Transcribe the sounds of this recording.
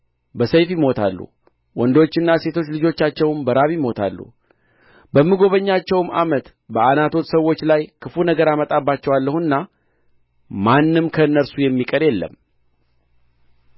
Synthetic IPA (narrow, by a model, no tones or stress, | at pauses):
bəsəjfjɪmo̞t̪ʰa̰lːṵ | wɔnd̪o̞t͡ʃːɨnːase̞t̪ʰo̞t͡ʃːlɨd͡ʒo̞t͡ʃːat͡ʃːɛwmbəɾaβjmo̞t̪ʰa̰lːṵ | bəmːɨɡo̞βəɲːat͡ʃːɛwmamət̪ | bəanat̪ʰo̞t̪səwːo̞t͡ʃːlajkʰɨfunəɡəɾamət̪ʼabːat͡ʃːɛwalːəhuɨnːa | manːɨmkʰəɨnːəɾsujɛmːikʼəɾjɛlːə̰mː